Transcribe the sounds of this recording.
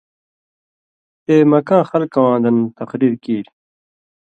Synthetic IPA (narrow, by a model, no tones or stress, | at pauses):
t̪eːmɐkãːxɐlkɐwãːnd̪ɐnt̪ɐqɾiːɾkiːɾ